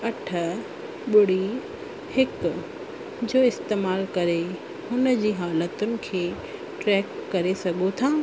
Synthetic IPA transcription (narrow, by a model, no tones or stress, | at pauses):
ɐʈʰə̆ | ɓʊɽ̤i | hɪk | d͡ʑoːɪst̪eːmaːlkɐɾe | hʊnə̆d͡ʑiːɦaːlət̪ʊnɪ̆kʰeː | ʈɾɛːkːɐɾesɐɡʱot̪ʰaː